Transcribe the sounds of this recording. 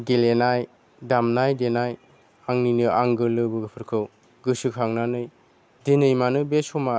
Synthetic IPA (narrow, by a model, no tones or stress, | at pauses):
ɡelenaj | damnajdenaj | aŋninɯaŋɡɯlɯbɯɡɯpʰɯɾkʰɯw | ɡɯsɯkʰaŋnanɯj | denɯjmanɯbesɔma